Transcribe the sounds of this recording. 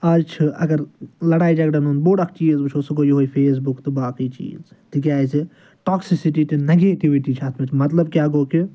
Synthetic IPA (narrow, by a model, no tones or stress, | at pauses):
ɐɾt͡ʃʰɨʔɐ̰ɡɐɾlɐɽaːid͡ʒɐkɖɐnunboːɽɐkʰt͡ʃiːzbɨt͡ʃʰoːsuɡoːjoɦoːipʰeːs̬bukt̪ɨbaːkiːt͡ʃḭːzt̪iɡ̬ʲjaːsi | ʈɔːksisiʈiːʈineɡeːʈiʋiʈit͡ʃʰat̪ʰmɐt̪ʰmɐt̪lɐb̚kʲjaːɡoːki